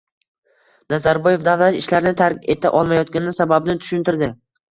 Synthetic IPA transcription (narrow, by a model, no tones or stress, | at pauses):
nazaɾboje̞fd̪avlat̪ɪʃlaɾɪnɪt̪ʰaɾkʲe̞t̪ʰa̰ʔɒlˠmajɒt̪̚kʲanɪnɪsababnɪt̪ʰʊ̥ʃʊnt̪ɪɾd̪ɪ